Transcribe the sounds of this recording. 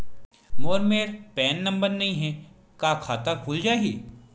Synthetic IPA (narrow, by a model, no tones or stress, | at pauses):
moːɾmeːɾpɛːnːɐ̃mbəɾnɐɦĩɦɛ̃ | kaːkʰaːt̪akʰuːld͡ʒaːeɡḭː